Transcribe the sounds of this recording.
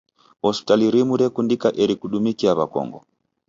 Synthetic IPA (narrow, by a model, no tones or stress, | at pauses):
ɔspi̥taliɾimuɾɛkundikaʔɛɾikuɗumikiaβakɔ̰ŋɡɔ̰